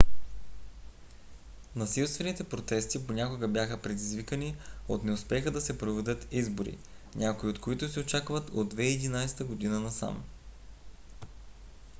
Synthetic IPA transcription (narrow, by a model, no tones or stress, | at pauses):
nɐsilˠst̪vɛnit̪ɛpɾot̪ɛst̪iponʲakoɡəbjaxəpɾɛd̪izvikəniot̪nɛospɛxəd̪ɐsɛpɾovɛd̪ət̪izboɾḭ | ɲʲʔakoiot̪koit̪ʊsɛot͡ʃakvət̪o̰d̪ːvɛiɛd̪inajsɛ̥t̪əɡod̪inənɐsa̰m